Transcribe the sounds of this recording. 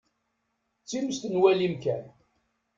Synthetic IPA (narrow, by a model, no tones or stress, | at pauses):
t͡sːiməst̪nwælimkæn